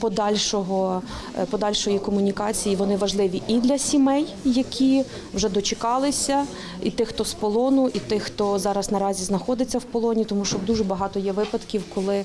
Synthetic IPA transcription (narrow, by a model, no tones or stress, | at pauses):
pɔd̪ɑlʲʃɔɦɔ | pɔd̪ɑlʲʃɔjikɔmʊnʲikɑt͡sʲijiʋɔnɪʋɐʒlˠɪʋʲiʔid̪lʲɐsʲimɛjːɐkʲi | wʒɛd̪ɔt͡ʃekɑlˠɪsʲɐ | it̪ɪxt̪ɔspɔlˠɔnʊʔit̪ɪxt̪ɔzɑɾɐznɐɾɑzʲiznɐxɔd̪ɪt͡sʲːɐwpɔlˠɔnʲit̪ɔmuʃt͡ʃɔd̪uʒɛbɐɦɑt̪ɔjɛʋɪpɐd̪kʲiwkɔlˠɪ